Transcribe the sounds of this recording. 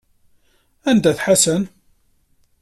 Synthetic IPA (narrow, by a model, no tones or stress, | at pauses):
ænd̪æθħasən